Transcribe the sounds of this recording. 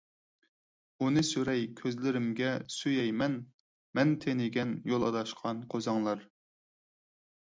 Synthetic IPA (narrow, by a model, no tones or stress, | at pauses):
unɨsyɾɛjkʲʰøzlɪɾɪmɡʲɛsyjɛjmɛn | mɛnt̪ʰenɪɡʲɛnjolˠɑd̪ɑʃqʰɑnqʰozɑŋlˠɑɾ